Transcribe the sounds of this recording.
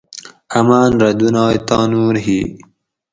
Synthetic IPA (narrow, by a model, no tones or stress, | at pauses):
ɐmaːnɾɐd̪unɑːjt̪ɑːnuːɾɦiː